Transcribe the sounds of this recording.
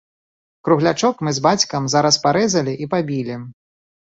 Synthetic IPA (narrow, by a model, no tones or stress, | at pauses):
kɾuɣlʲat͡ʂɔkmɨzbat͡sʲkɐmzaɾɐspaɾɛzɐlʲiʔipabʲilʲi